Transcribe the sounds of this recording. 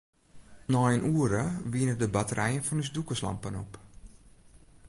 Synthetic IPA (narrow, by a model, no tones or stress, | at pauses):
nɔjənʔuːəɾəʋiənədəbatəɾʔɛjənfɔnysdukəslɑ̰mpənop